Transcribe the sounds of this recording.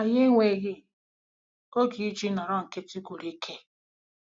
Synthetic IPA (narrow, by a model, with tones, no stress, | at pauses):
a˨je˦ŋʷe˨ɣɪ˦ | o˦ɡi˨˦d͡ʒi˦na˨ɾɔ˦ŋ̩˨ke˦ti˦ɡʷʊ˨ɾi˦kʰe˦